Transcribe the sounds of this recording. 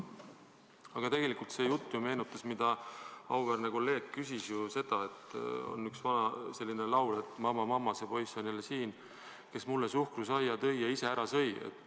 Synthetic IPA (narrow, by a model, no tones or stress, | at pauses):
ɑɡ̥ɑt̪e̞ɡ̥e̞likult̪se̞ːjut̪ːˑjume̞ːnut̪ːˑɑsmid̪̥ɑɑwværneko̞lːe̞ːɡ̥̚kysisjuse̞d̪̥ɑe̞t̪o̰nyksvɑnɑse̞lːinelɑwle̞t̪ːˑmɑmɑmɑmːɑsepo̞jsonilesiːn | ke̞smulːesuhkrusɑjːɑt̪ɤ̞jːɑise̞æɾɑsɤ̞jḛt̪ːˑ